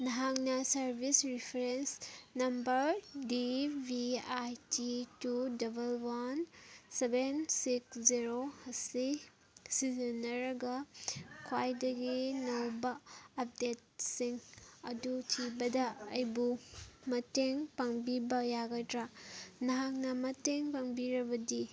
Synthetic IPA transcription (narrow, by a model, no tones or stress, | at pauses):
nɐɦaŋnɐsɐɾbʱisɾipʰeɾensnɐmbɐɾdibʱiajtitudɐbɐlwansebensiksziɾohɐsi | sizɐnɐɾɐɡɐkʰwajdɐɡinɐwbɐːp̚det̚siŋɐdutʰibɐdɐɐjbumɐteŋpaŋbibɐjaɡajtɾanaɦak̚nɐmɐteŋpaŋbiɾɐbɐdi